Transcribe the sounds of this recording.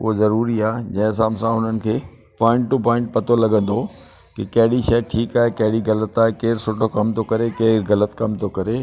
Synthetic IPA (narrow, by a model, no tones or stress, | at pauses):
ʊɦozɐɾuːɾiaːd͡ʑɐ̃ɦɪ̃s̬ãːmsãɦʊn̤ənɪ̆kʰeː | pɔ̃ːɪ̃ɳʈʈupɔ̃ːɪ̃ɳʈ̚pɐt̪olɐɡə̃nd̪o | kikɐɦɪɽiʃɐeʈʰiːkaːɦekɐɦɪɽiɣɐlət̪aːɦekeːɾsʊʈʰokɐmt̪ʰokɐɾekeːɾɣɐlət̪kɐmt̪ʰokɐɾe